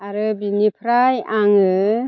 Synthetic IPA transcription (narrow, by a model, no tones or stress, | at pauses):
aɾɯbinipʰɾajaŋɯ